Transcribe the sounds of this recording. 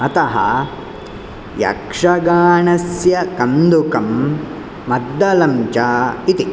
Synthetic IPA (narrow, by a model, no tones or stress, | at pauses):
ɐt̪ɐɦɐ̰ | jɐ̰kʂɐɡaːɳɐsjɐkɐnd̪ukɐmː | ɐd̪ːɐlɐmt͡ʃaːit̪i